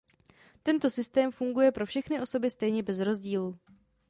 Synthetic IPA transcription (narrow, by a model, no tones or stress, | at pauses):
t̪ɛnt̪o̞sɪst̪ɛːmfuŋɡujɛpɾo̞fʃɛxnɪʔo̞so̞bɪst̪ɛjɲɛbɛzɾo̞zɟiːlu